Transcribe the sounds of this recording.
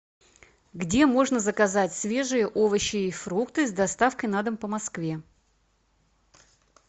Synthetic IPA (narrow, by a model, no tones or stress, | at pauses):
ɡdʲe̞mo̞ʐnəzəkɐzatʲsvʲe̞ʐɨjəʔovəɕːɪifɾukt̪ɨzd̪ɐst̪afkəjnad̪əmpəmɐskvʲe